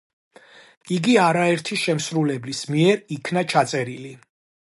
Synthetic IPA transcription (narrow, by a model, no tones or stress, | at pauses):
iɡiaɾaɛɾt̪ʰiʃɛmsɾulɛblismiɛɾikʰnat͡ʃʰat̪sʼɛɾili